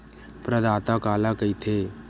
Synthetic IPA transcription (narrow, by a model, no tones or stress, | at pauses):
pɾəd̪aːt̪akaːlakəit̪ʰeː